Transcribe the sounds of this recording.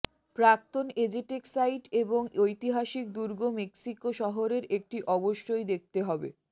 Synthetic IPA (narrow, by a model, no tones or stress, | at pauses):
pɾak̚t̪oned͡ʑiʈeksajʈeboŋojt̪iɦaʃik̚d̪uɾɡomeksikoʃɔɦoɾeɾek̚ʈiʔɔboʃɾojd̪ek̚ʰt̪eɦɔbḛ